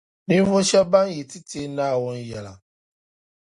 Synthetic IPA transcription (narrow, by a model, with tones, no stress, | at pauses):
nĩ˦võ˦ʃɛ˦ba˦n˦je˨ti˦tʰe˦naː˦˨wɔ˦n˦jɛ˨la̰˨